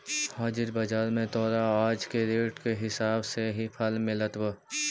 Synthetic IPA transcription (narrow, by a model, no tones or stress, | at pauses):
haːd͡ʒɪɾbɐd͡ʒaːɾmẽt̪ɔːɾaaːd͡ʒkeɾeːʈkeɦɪsaːbseɦipʰɐlmɪlət̪wə